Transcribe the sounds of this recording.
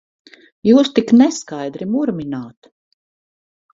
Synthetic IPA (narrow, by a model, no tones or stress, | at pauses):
juːst̪iknɛskajd̪ɾimuɾminaːt̪